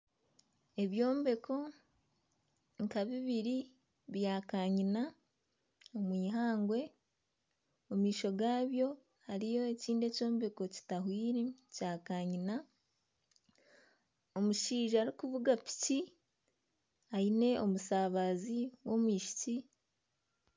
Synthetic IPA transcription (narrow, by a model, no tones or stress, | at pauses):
e̞βjo̞ːmbe̞kʰo̞ | ŋkaβiβiɾi | βjaːkaːɲina | omwiːɦaːŋɡwe̞ | omwiːʃo̞ɡaːβjo̞ | haɾijo̞eciːnde̞co̞ːmbe̞ko̞ci̥taɦwiːɾecaːkaːɲina | o̞muʃiːʒaːɾikuβuɡapi̥ci | aine̞o̞musaβaziwo̞mwiːʃi̥ci